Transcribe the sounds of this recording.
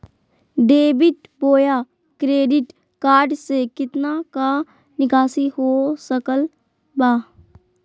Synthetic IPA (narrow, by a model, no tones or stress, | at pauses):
ɖeːbɪʈboːjaː | kɾeːɖɪʈ | kaːɾɖsekɪt̪naka | nɪkaːsiɦoːsəkəl | baː